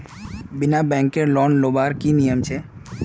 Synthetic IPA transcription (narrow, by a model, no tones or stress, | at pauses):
binabɛ̃ŋkeɾlɔnlobaɾkinijəmt͡ʃʰe